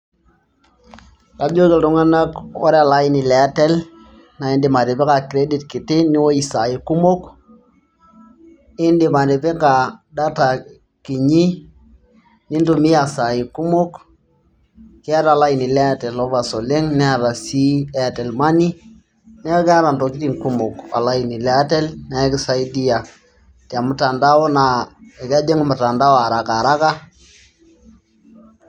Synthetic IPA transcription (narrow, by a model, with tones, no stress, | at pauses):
ka˨d͡ʒo˦ke˨ltu˦ŋa˦na˦kɔ̰˦ɾe˦a˨la˦ji˦ni˨lɛ˨˦te˦l | na˨i˦ndi˨ma˨ɾi˨pi˦ka˨kɾe˦di˨tki˨ti˦ni˦wo˦i˨sa˨ji˨ku˦mo˦k | ɪ˦ndi˨ma˨ɾi˨pi˦ka˨da˦ta˨ | ki˨ɲi˦ | ni˦ndu˦˨mi˦ja˨sa˨ji˨ku˦mo˦k | kɪ˦a˦ɾa˨la˦i˨ni˨lɛ˦a˦tɛ˨lɔ˦va˨sɔ˨le˦ŋnɛ˦a˨ɾa˨si˦ɛ˦a˨tɛ˨lma˦ni˦ | nɛ˦a˦kɛ˦a˦ɾa˨ndɔ˨ki˦ti˦˨ŋku˦mʊ˨ka̰˨la˦i˨ni˨lɛ˦a˦tɛ˦lnɛ˦kɪ˦sa˦i˦di˦ja˨ | tɛ˨a˨mʊ˨ta˨nda˦ɔ˦na˨ɛ˨ka˦d͡ʒe˦ŋ˦mʊ˨ta˨nda˦wa˨ɾa˨ka˨ɾa˦ka˦